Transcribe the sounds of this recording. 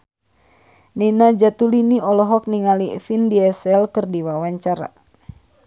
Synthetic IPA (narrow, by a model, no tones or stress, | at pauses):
ninad͡ʒat̪uliniɔlɔɦɔk̚niŋalifindiɛsɛlkɨrdiwawaɲt͡ʃaɾa̰